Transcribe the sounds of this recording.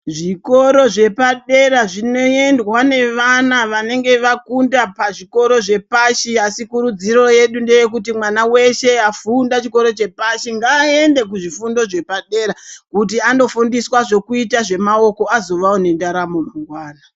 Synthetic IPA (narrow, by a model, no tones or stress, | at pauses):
ʐiko̞ɾo̞ʐe̞paɗe̞ɾaʐino̞e̞ndwane̞ʋanaʋane̞ŋɡe̞ʋakundapaʐiko̞ɾo̞ʐe̞paʃiasikuɾud͡ziɾo̞je̞ɗunde̞jek̬ut̬imwanawe̞ʃe̞afundat͡ʃiko̞ɾo̞t͡ʃe̞paʃiŋɡaːe̞nde̞k̬uʐifundo̞ʐe̞paɗe̞ɾakut̬iano̞fundiswaʐo̞kuitaʐe̞mao̞ko̞azo̞ʋaone̞ndaɾamomaŋɡwaːna